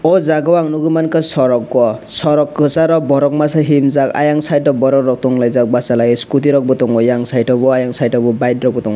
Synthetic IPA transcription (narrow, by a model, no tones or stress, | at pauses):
ɔzaɡɔwaŋnuɡɯmankasɔɾɔkːɔsɔɾɔkːɯsaɾɔbɔɾɔk̚masaɦimzaka̰jaŋsajtɔbɔɾɔkɾɔk̚t̪ɔŋlajzak̚basalajiskut̪̬iɾɔk̚bɔt̪ɔŋɔjaŋsajtɔbɔajaŋsajtɔbɔbajdɾɔk̚bɔt̪ɔŋ